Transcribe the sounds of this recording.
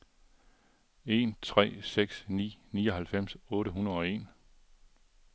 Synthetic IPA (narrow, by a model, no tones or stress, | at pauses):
e̝ːnt͡sʰʁɛ̰ːseɡ̥snḭːnḭːɒ̽ɦælfem̰sɔ̽ːɾəɦunɐðˠɒ̽e̝̰ːn